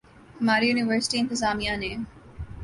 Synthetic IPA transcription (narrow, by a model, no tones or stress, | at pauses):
həmaːɾijuːnɪʋəɾsɪ̥ʈiɪ̃nt̪əzaːmianẽːm